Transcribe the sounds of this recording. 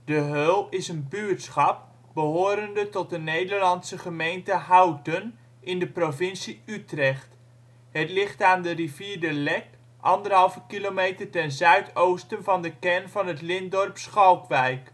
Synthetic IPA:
d̥əɦølˠɪsənbyɹtsχɑp̚ | bəɦoːɾəndətɔt̚dənejdəɹlɑnsəχəmejntəɦawtən | ʔɪndəprovɪnsiytrɛχt | ɦətlɪχtaːndəriviːɹdəlɛk | ʔɑndərɦɑlˠvəkilomejtərtɛnzœɥtowstənvɑndəkɛnvɑnɦətlɪndɔrpsχɑlˠkʋɛjk

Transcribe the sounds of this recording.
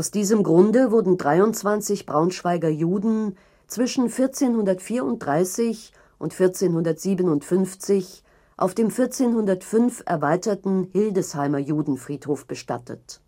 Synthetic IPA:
ʔaʊsd̥iːzəmɡʁʊndəvʊɐdn̩dʁaɪʊnt͡sv̥ant͡sɪçb̥ʁaʊnʃv̥aɪɡɐjuːdn̩ | t͡sv̥ɪʃn̩fɪɐt͡seːnhʊndɐtfiːɐʊnt̚d̥ʁaɪsɪç | ʔʊntfɪɐt͡seːnhʊndɐtz̥iːbənʊntfʏnft͡sɪç | ʔa̰ʊfd̥eːmfɪɐt͡seːnhʊndɐtfʏnfʔɛ̰ɐvaɪtɐtn̩hɪldəshaɪmɐjuːdn̩fʁ̥iːthoːfb̥əʃta̰tʰə̰t

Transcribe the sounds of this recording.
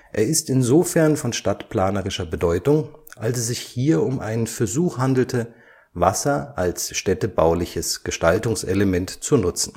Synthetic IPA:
ʔḛːɐɪstɪnzoːfɛɐnfɔnʃtatpl̥aːnəʁɪʃɐbədɔʏtʊŋʔalsɛsz̥ɪçhiːɐʊmʔaɪnənfɛɐzuːxhandl̩tʰə | vasɐʔalsʃtɛtəbaʊlɪçəsɡ̥əʃtaltʊŋsʔɛləmɛntt͡sunʊt͡sn̩

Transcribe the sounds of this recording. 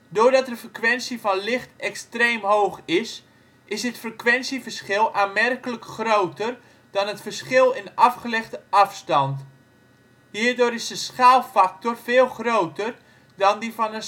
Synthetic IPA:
doːrdɔtdəfrəkʋɛnsifɔnlɪxtɛkstreːmɦoːxɪs | ʔɪsdɪtfrəkʋɛnsivərsχɪlˠaːnmɛrkələkχrowtər | dɔnətfərsχɪlˠɪnɑfχəlɛxtəɑfstɑnt | hiːrdʊːɾɪsdəsχaːlˠfak̚torfɪːlˠxrowtər | dɔndifɔnə

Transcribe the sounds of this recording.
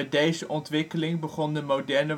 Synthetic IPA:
ɛdejzəʔɔntʋɪkəlɪŋbəχɔndəmowdɛɹnə

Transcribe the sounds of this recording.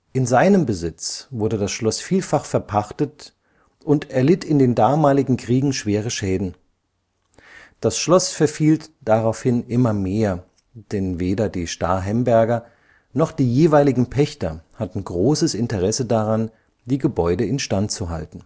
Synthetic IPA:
ʔɪnzaɪnəmbəzɪt͡sv̥ʊɐdədasʃlɔsfiːlfaχfɛɐpʰaχtət | ʔʊntɛɐlɪtʰɪndeːndaːmaːlɪɡŋ̩kʁ̥iːɡŋ̩ʃv̥eːʁ̞əʃɛːdn̩ | d̥asʃlɔsfɛɐfiːltd̥aʁaʊfhɪnʔɪmɐmeːɐ | d̥ɛnveːdɐdiːʃta̰ːɐɦɛmbɛɐɡɐ | nɔχd̥iːjeːvaɪlɪɡŋ̩pʰɛçtɐ̰hatn̩ɡʁoːsəsɪntəʁɛsədaʁan | d̥iːɡəbɔʏdəɪnʃtantt͡suɦa̰ltn̩

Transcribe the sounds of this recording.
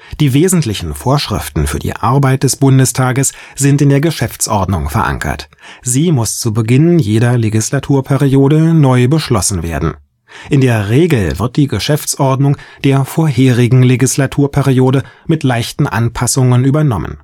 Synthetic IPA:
d̥iːveːzn̩tlɪçn̩foːɐʃʁ̥ɪ̰ftn̩fy̰ːɐdḭːʔa̰ɐbaɪt̚d̥ɛsb̥ʊndəstʰaːɡəs | z̥ɪntɪndeːɐɡəʃɛft͡sʔɔɐdnʊŋfɛɐ̰ʔa̰ŋkʰɐ̰t | z̥iːmʊst͡subəɡɪnjeːɾɐleɡislatʰuːɐpʰɛʁijoːdənɔʏbəʃlɔsn̩veːɐdn̩ | ʔɪndeːɐʁeːɡl̩vɪ̰ɐt̚d̥iːɡəʃɛft͡sʔɔɐdnʊŋd̥eːɐfoːɐɦeːʁɪɡŋ̩leɡislatʰuːɐpʰɛʁijoːɾəmɪtlaɪçtn̩ʔa̰npʰasʊŋənyːbɐnɔmə̰n

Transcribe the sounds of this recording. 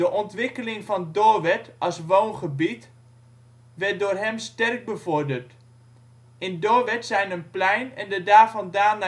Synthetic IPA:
dəʔɔntʋɪkəlɪŋvɑndoːʋɛtʔɑsʋownχəbit | ʋɛrt̚doːrɦɛmstɛrk̚bəvʊrdərt | ɪndoːʋɛtsɛjnənplɛjnɛndədaːrvɑndaːna

